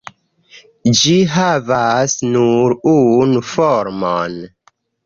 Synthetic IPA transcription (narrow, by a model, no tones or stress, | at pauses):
d͡ʒiɦavasnuɾunufoɾmon